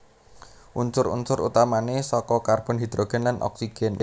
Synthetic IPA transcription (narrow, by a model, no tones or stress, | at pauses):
ʔunt͡ʃʊɾṵnsʊɾṵt̪amanesɔkɔkarb̥ɔ̤nɦid̪̥ɾoɡ̥ɛ̤nlanʔɔ̰ksiɡ̥ɛn